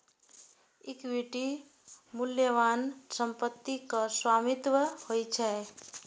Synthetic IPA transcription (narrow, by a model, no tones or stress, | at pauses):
ikbeʈi | muljəʋansəmpət̪ːikəswamit̪ʋəhojt͡ʃʰɛ